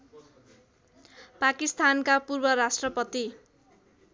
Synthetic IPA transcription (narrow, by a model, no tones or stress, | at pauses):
pakist̪ʰankapurbʌɾasʈrʌpʌt̪i